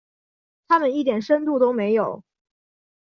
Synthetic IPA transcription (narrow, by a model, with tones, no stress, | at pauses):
t̪ʰa˥mə˨ni˥˩t̪jɛ˨˩nʂə˥nt̪u˥˩t̪o˥ʊme˧˥ɪjo˨˩˦ʊ